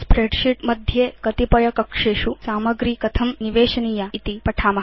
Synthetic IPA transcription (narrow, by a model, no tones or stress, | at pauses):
spɾeɖʃiʈmɐd̪ʱjekɐt̪ipɐjɐkɐkʂeːʃusaːmɐɡɾiːkɐt̪ʰɐmniʋeːʃɐniːjait̪ipɐʈʰaːmɐ